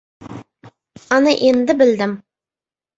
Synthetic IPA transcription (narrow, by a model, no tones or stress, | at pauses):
ɑnɑʔend̪ɪbɪld̪ɪm